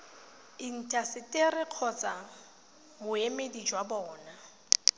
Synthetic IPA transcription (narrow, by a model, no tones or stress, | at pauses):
ɪn̩tʼasɪtʼɪrɪq͡χʰɔt͡sʼa | mʊemedid͡ʒwabɔːna